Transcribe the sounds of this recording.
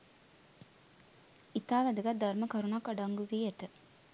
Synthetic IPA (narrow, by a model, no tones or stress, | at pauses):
it̪aːʋæd̪əɡɐt̪̚d̪ɐɾməkɐɾunakaɖaŋɡuʋiet̪ə